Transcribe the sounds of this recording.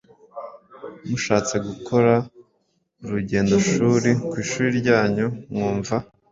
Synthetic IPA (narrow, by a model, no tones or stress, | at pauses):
muʃaːt͡se̞ɡukʰo̞ɾa | uɾuɟe̞ːndo̞ʃuːɾikwiːʃuːɾiɾɟaːɲumŋuːɱva